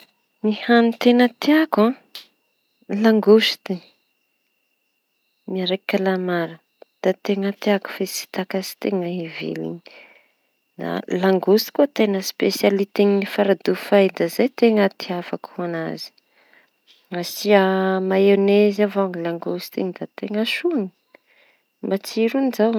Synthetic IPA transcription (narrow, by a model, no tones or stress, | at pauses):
nihanit̪enət̪eakã | laŋɡust̪i | miaɾekʲːalamaɾə | d̪̥at̪eŋət̪eaku̥fesi̥t̪akazi̥t̪eŋəivḛlḭn | d̪a̰laŋɡust̪i̥kot̪eŋəspesjalit̪iŋifaɾad̪ufajd̪azajt̪eŋət̪iafakuana̰zi̥ | asiamaenezavaŋilaŋɡust̪inid̪at̪eŋaʃuani̥ | mbat͡siɾunizaw